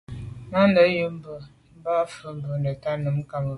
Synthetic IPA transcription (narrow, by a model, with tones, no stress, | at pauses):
ma˦n˦də˨˦jə˦m̩˦bə˨ | m̩˦ba˦fə˦m̩˦bə˨nə˨ta˦nə˨˦m˦ka˨mə˨